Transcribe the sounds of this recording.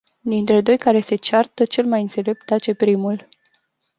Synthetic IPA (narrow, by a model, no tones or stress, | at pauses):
d̪int̪ɾe̞d̪o̞jkaɾe̞se̞t͡ʃart̪ət͡ʃe̞lmajɨnt̪se̞le̞p̚t̪̚t̪at͡ʃe̞pɾimul